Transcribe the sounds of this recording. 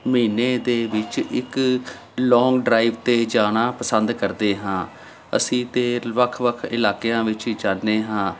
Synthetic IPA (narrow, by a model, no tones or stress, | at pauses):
məiːneːd̪eːʋɪt͡ʃɪk | lɔːŋɡɖɾaːiːʋt̪eːd͡ʒaːnaːpəsənd̪kəɾd̪eːɦãː | ə̰sĩːt̪eːʋəkʰʋəkʰɪlaːkejãːʋɪt͡ʃd͡ʒaːnːeːɦãː